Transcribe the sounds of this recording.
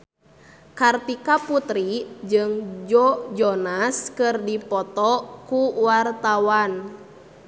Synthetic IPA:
kart̪ikaput̪ɾid͡ʒɨŋd͡ʒɔd͡ʒɔnaskɨrdipɔt̪ɔkuwart̪awan

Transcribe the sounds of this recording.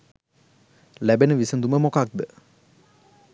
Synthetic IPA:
læbenəʋisənd̪uməmokak̚d̪ə

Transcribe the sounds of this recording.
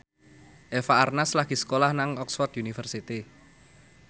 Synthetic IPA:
ʔefaʔːrnaslaɡ̥i̤sə̥kolahnaŋɔksfɔrt̪junifərsit̪i

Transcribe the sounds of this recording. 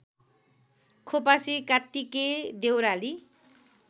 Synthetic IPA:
kʰopasikat̪ːiked̪ewɾali

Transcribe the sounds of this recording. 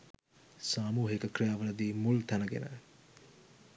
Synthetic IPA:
saːmuːɦekəkrɾijaːʋɐlɐd̪iːmult̪ænəɡḛnə

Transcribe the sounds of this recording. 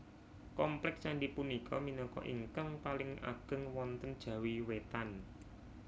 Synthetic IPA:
kɔmplɛk̚saɳɖipunikʰɔminɔkɔ̰ʔiŋkaŋpalɪŋʔa̰ɡ̥ə̤ŋwɔnt̪ənd̥ʒ̥ä̤wiwet̪an

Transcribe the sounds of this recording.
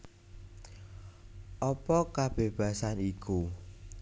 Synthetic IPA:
ʔɔpɔkab̥eb̥ä̤saniku

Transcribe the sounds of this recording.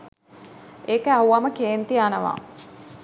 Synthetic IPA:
eːkəauaməkeːnt̪iaːnəʋa̰ː

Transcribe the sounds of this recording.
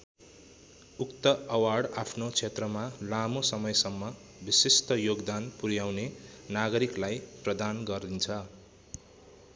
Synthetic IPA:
ukt̪ʌːwaɽapʰnot͡sʰet̪rʌmalamosʌmʌjsʌmːʌ | bisist̪ʌjoɡd̪anpuɾjawnenaɡʌɾiklajprʌd̪anɡʌrd̪int͡sʰʌ

